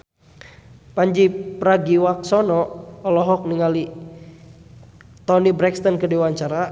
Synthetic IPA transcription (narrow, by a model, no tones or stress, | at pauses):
paɲd͡ʒipɾaɡiwak̚sɔnɔːlɔɦɔk̚niŋali | t̪ɔnibɾɛkst̪ɔnkədiwaɲt͡ʃaɾa